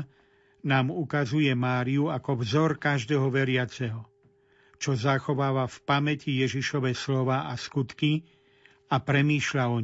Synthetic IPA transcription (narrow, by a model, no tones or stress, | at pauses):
naːmukazujɛmaːɾiuakɔvzɔɾkaʒd̪ɛːɦɔʋɛɾɪat͡sɛɦɔ | t͡ʃɔzaxɔʋaːʋafpamɛcijɛʒiʃɔʋɛslɔʋaːʔaskut̪ki | apɾɛmiːʃʎaɔɲ